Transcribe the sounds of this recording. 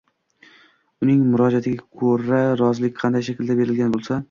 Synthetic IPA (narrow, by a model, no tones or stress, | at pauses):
ʊnɪŋmʊɾɒd͡ʒat̪ʰɪɡʲakʰoɾaɾɒzlɪkʲqʰɑnd̪ajʃakʲɪld̪abe̞ɾɪlɡʲanbolˠsa